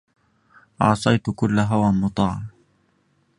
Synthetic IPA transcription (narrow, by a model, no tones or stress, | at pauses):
ʔɑ̰ʕsˤɑjt̪kʊlːaɦawamʊt̪ˤɑːʕɑm